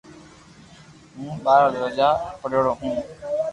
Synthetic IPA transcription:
ɦũːɓaːɾaːd̪əɾəd͡ʒaːpəɗoːɽoːɦũː

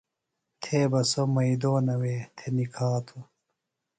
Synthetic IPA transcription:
t̪ʰeːbɐsomɐid̪oːnɐweːt̪ʰenikʰaːt̪ʰu

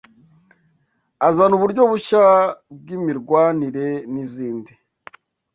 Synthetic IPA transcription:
azanuβuɾɟo̞βuʃab̚ɡimiɾɡwaːniɾe̞niziːndi

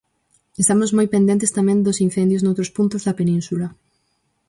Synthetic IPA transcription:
est̪amozmojpend̪ẽnt̪̬est̪amẽnd̪osin̟θend̪joznowt̪ɾospunt̪ozðɐpenĩnsula

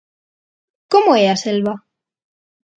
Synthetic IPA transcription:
ko̞moeaselβa

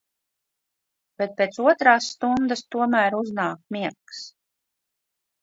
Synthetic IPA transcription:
b̥et̪̚peːt̪suɔt̪ɾaːsːt̪und̪ast̪uɔmæːɾuznaːk̚miɛks

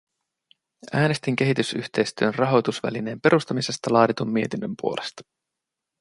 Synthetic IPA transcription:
æːne̞st̪iŋk̟e̞ɦit̪ysyçt̪ejst̪yønrɑɦo̞t̪usʋæ̰line̞ːmpe̞ɾust̪ɑmise̞st̪ɑlɑːdit̪umːie̞t̪inːømpuo̞le̞st̪ɑ̥

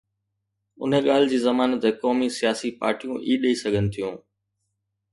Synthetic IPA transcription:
ʊ̰n̤əɠaːl̤ɪd͡ʑiːzɐmaːnət̪ɛkɔːmisijaːsipa̰ːɾʈijũʔiːɗɐisɐɡʱənɪ̆t̪ʰijũː

